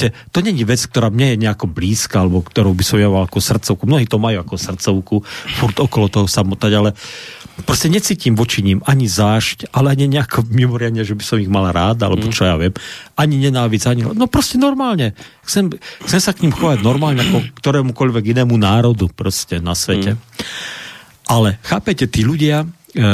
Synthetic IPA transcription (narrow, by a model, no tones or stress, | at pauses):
ɛt̪ɔɲɛɲiʋɛt͡sk̚t̪ɔɾaːmɲɛjɛɲɛakɔbliːskaːalɛbɔkt̪ɔɾɔʊbisɔmjamalakusr̩t̪t͡sɔʊkumnɔɦiːt̪ɔmajuakɔsr̩t̪t͡sɔʊkufuɾd̪ɔkɔlɔt̪ɔɦɔsamɔt̪aɟalɛpɾɔscɛɲɛt͡siːcimʋɔt͡ʃiɲimaɲizaːʃcalɛaɲɛɲɛakʰɔmimɔɾɪad̪ɲɛʒɛbisɔmiɣmalaɾaːd̪a̰lɛbɔt͡ʃɔjaʋɪɛmaɲiɲɛnaːʋid͡zaɲinɔpɾɔscɛnɔɾmaːlɲɛxt͡sɛmxt͡sɛmsakɲimxɔʋaɟnɔɾmaːlɲɛakɔkt̪ɔɾɛːmukɔʎʋɛɡinɛːmunaːɾɔd̪upɾɔscɛnasʋɛcɛ | ʔalɛxaːpɛcɛt̪iːʎuɟɪa